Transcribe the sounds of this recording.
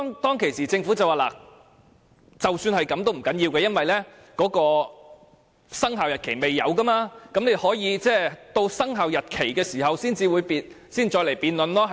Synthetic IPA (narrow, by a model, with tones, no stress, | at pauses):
ɔ˥ŋt̪ɔː˥ŋkʰe˨˩jsiː˨˩t͡sɪ˧ŋfu˨˥t͡sɐ˨waː˨˩la̰ː˨˩ | t͡sɐ˨wsyː˧nhɐ˨jkɐ˨˥mt̪o˥wm̩˨˩kɐ˨˥njiː˧wkɛː˧jɐ˥nwɐ˨jlɛː˥ | kɔː˨˥kɔː˧ | sɐ˥ŋɦaː˨wjɐ˨t̚kʰe˨˩me˨jːɐ̰˨˧wkɐ˥maː˧kɐ˨˥mne˧hɔː˨˥jiː˨˧t͡sɛː˥˩t̪o˧wsɐ˥ŋɦaː˨wjɐ˨t̚kʰe˨˩jkɛː˧siː˨˩hɐ˨wsiː˥nt͡siː˧wuː˨˧jpiː˨˧n | siː˥nt͡ʃɔː˧le˨˩jpiː˨˧nlɵ˨nlɔː˥˨